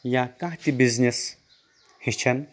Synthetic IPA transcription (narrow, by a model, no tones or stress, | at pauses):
jakãɦt̪ibiznʲis | hit͡ʃʰɐn